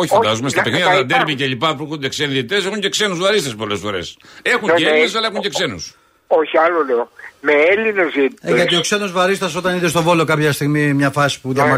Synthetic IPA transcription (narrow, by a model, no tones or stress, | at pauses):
oçffd̪azumest̪ɐpekniðɐɐðɐd̪eɾβiceʎipaðpɾokud̪eksenðit̪esexũɲceksenuzvɐɾist̪ɐspolesfoɾḛsexũɲees̬elɐexũɲeksenṵs | oçiɐloleomeelinezieɐioksenozvɐɾist̪ɐsot̪ɐniðest̪ovolokapçɐst̪iɣmimɲɐfɐsi̥puðjɐmɐ